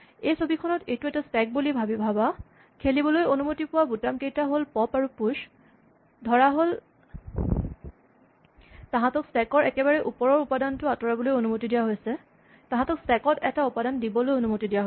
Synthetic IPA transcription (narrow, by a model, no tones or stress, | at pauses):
ejsobikʰɔnɔtejtuɛtasɛk̚bulibʱabibʱaba | kʰelibɔlojonumotipʊwabutamkejtaɦolpɔpaɹupuʃ | dʱɔɹaɦol | tãɦãtɔksɛkɔɹɛkɛbaɹɛʔupɔɹɔɹupadantʊatɔɹabɔlojonumotidijaɦojsɛ | tãɦãtɔksɛkɔtɛtaupadandibɔlojonumotidijaɦo